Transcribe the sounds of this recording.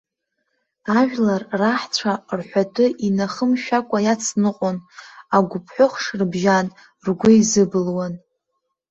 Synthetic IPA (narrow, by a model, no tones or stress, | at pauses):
aʒᶣlarːaħt͡sʷʰarħʷatʰʼɨʔinaχəmʃᶣakʷʼajat͡sʰnɨqʼonaɡʷʊpʰħʷᶣʊχʂrbʒan | rɡʷʊizɨbɨlwan